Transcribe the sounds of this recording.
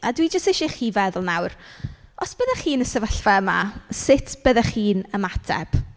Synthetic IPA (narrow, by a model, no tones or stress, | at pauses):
adwid͡ʒəstɛʃiχiːvɛðʊlˠnawrɔsb̥əðaχiːnəsɛvəɬvɛəma̰sɪtʰb̥əðɛχiːnəmatʰɛ̰b̥